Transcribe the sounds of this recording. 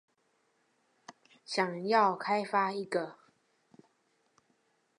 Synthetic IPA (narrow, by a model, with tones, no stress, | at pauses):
ɕjɑ˨˩ŋjɑ˥˨ʊkʰa˥˦ɪfa˦i˧˩ɡə˨